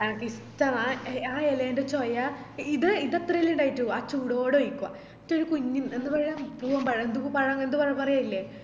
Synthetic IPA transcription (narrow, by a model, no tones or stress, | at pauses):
nɐnɐkːistːɐmaaːeleːndet͡ɕoja | iðɨiðɐt̪rɐjiluɳɖaːjitːuaːt͡ɕuːɽoːɽeojikːuʋa̰ | tːoɾukuɲːime̞nːupɐrɐjampuːʋɐmpɐɻɐnd̪ukːupɐɻɐŋend̪ɨpɐrɐjmpɐrɐjaːilːe